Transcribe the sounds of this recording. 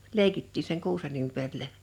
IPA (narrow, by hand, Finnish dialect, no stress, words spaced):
leikitːiː seŋ kuːsen ympærilæ